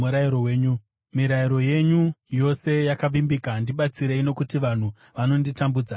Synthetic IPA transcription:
uɾaiɾowe̞ːɲu | miɾaiɾo̞je̞ɲujo̞se̞jakaʋimbikandiɓat͡siɾeino̞kutiʋan̤u | ʋano̞nditambuːd͡za

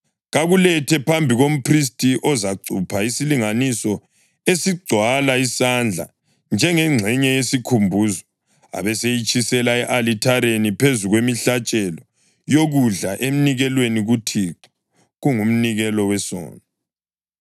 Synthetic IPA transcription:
ɣaɣulɛtʰɛpʰambʱiɣom̩pʰris̬tʼiʔɔzaǀʱupʰaisiliŋanisɔ | esiɡ͡ǀʱwalaisand͡ɮʱa̰ | nd͡ʒʱɛŋɛŋ͡ǀʱɛɲɛjesikʰumbʱuzɔ | a̰βɛsejit͡ʃʼisɛlaɛʔalitʰaɾenipʰezuɣwemiɬat͡ʃʼɛlɔ | joɣuɮaʔem̩niɣɛlweniɣutʰiǁɔ̥ | ɣuŋum̩niɣɛlɔwɛsɔ̰ːna

